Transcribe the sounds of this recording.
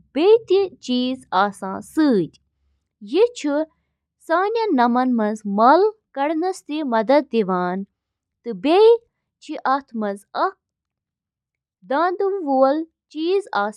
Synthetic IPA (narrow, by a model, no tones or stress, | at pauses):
b̥ejt̪it͡ʃiːzaːsãːsɨːd̪ʲ | jit͡ʃʰu | saːnʲɐnɐmɐnmɐnzmɐlkɐɽnɐst̪imɐd̪ɐd̪̚ːiʋaːn | t̪ɨbej | t͡ʃʰiʔɐt̪ʰmɐzɐ | d̪ãːnd̪umʋuːl | t͡ʃiːzaː